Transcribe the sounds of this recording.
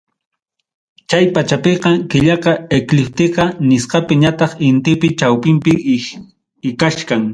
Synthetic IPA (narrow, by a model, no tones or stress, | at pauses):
t͡ʃajpat͡ʃapeqɑkɪʎɑqɑeklɪp̚t̪ɪqɑnɪsqɑpɪɲat̪ɑχɪnt̪ɪpɪt͡ʃawpɪmpɪ | ɪkaʃkaŋ